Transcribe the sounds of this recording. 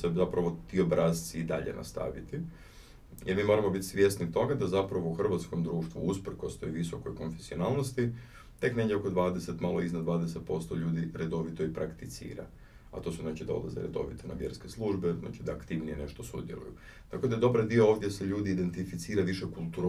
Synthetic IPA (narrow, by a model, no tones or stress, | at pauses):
sezapɾaʋo̞t̪io̞bɾaːzt̪siːd̪a̰ʎḛnʔa̰st̪a̰ʋit̪i | jeɾmiːmo̞ɾamo̞bit̪isʋje̞st̪nit̪o̞ɡad̪azapɾaʋouxr̩ʋat̪sko̞md̪ɾuːʃt̪ʋṵuspr̩ko̞st̪ojʋiso̞ko̞jko̞nfesionaːlˠno̞st̪i | t̪e̞kneɡjʲeoko̞d̪ʋaːd̪ese̞t̪malˠoiznad̪ʋaːd̪eset̪̚po̞st̪oʎuːd̪iɾed̪o̞ʋit̪o̞ipɾʔakt̪it̪sḭːɾa̰ | at̪o̞ːsuznaːt͡ʃid̪ao̰lˠa̰zḛɾḛd̪o̞̰ʋit̪ʰona̰ʋje̞ɾske̞slˠuːʒbezna̰t͡ʃid̪aːkt̪iʋnijene̞ʃt̪o̞sṵd̪jelṵju | t̪ako̞d̪ajed̪o̞baɾd̪io̞oːʋd̪jeseʎuːd̪iːd̪e̞nt̪ifit̪siːɾaʋiʃekulˠt̪uːɾ